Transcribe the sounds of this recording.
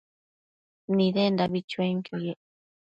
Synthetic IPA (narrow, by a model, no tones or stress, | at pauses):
nĩðend̪aβit͡ʃueŋkjojeʔ